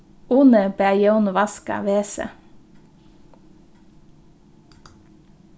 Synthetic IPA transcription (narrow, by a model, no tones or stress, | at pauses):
uːnəbæjonʋɑskɑ̰ʋeːsə̰